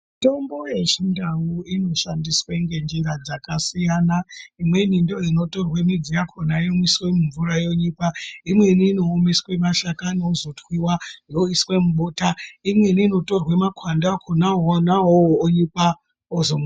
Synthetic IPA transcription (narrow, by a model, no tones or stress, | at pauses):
to̞mbo̞je̞ʃindawuino̞ʃandisweŋɡe̞nd͡ʒiɾad͡zakasijanaimwe̞nindo̞ino̞to̞rwemid͡zijakʰonajomiswe̞muɱvuɾajo̞ɲipaimwe̞niːno̞ːmeswe̞maʃakanoozotwiwajo̞iswemuɓotaimwe̞niːnoto̞rwemakwandakʰonaonaɦoːɲipa | ozoma